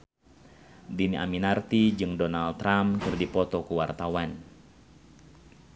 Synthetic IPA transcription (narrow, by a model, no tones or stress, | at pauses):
dinia̰minart̪id͡ʒɨŋdɔnalt̪ːɾamkɨrdipɔt̪ɔkuwart̪awan